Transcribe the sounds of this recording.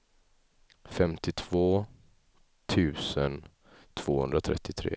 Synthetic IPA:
fɛmt̪ɪt̪ʰv̥oː | t̪ʰʉ̟ːsən | t̪ʰv̥oːhɵ̰nd̪ɾat̪ʰɾɛ̰t̪ʰːɪt̪ʰɾḛː

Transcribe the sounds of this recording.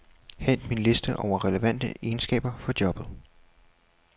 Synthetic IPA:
hen̰d̥minle̝sd̥əʔɒʊ̰ɐʁɛləʋæn̰d̥ə̰e̝ːnsɡ̥ɛ̰ːb̥ɐfɒ̽d̥jɒ̽b̥ð̩ˠ

